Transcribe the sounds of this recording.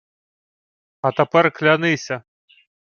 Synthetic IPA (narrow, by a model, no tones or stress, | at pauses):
ɐt̪apɛrklʲanɨsʲɐ